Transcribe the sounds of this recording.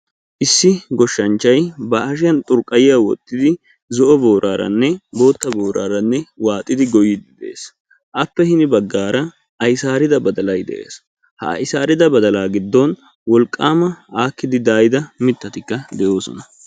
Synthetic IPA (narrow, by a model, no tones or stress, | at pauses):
ʔɪsːɪɡɔʃːɐnt͡ʃːɐjbɐʔːʃ̬ɪjɐnt̪ʼʊɾkʼːɐjɪjawɔ̰t̪ʼːɪd̪ɪ | zɔʔɔbo̞ːɾʔaːɾɐ̰nːɛbo̞ːt̪ːɐbo̞ːɾa̰ːɾɐnːɛwaːt̪ʼːɪd̪ɪɡɔjːɪd̪ɪd̪ɛʔḛːs | ʔɐpːɛhɪnɪbɐɡːaːɾɐ | ʔɐjsaːɾɪd̪ɐbɐd̪ɐlɐjd̪ɛ̰ʔḛːs | hɐ̰ɐ̰jɪsaːɾɪd̪ɐbɐd̪ɐlaːɡɪd̪ːɔn | wɔlkʼːaːmɐaːkːɪd̪ɪd̪aːjɪd̪ɐmɪt̪ːɐt̪ɪkːɐd̪ɛjo̞ːsɔ̰nɐ